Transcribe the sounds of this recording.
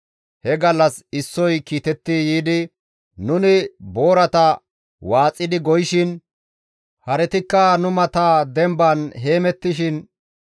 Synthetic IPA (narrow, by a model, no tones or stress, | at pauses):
hɛɡɐlːɐsɪsːɔjkiːt̪ɛt̪ːɪjiːd̪ɪ | nʊnɪbo̞ːɾɐt̪ɐ | waːt͡sʼːɪd̪ɪɡɔjɪʃɪn | hɐɾɛt̪ɪkːɐnʊmɐt̪aːd̪ɛmbɐnɦe̞ːmɛt̪ːɪʃɪn